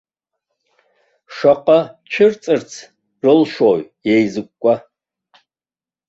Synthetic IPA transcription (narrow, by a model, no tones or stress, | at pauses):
ʂaqʼat͡ʃʰɪrt͡sʼɨrt͡sʰ | rɨlʃoɥjejzɨkʷʼkʷʼa